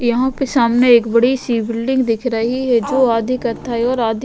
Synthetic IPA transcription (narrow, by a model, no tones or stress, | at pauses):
jɐɦãpesaːmneeːkbɐɽisiːbɪlːɪ̃ŋɡd̪ɪkʰɾɐɦiɦɛd͡ʒoːaːd̪ʱɪkəɾt̪aɦɛɔːɾaːd̪ʱ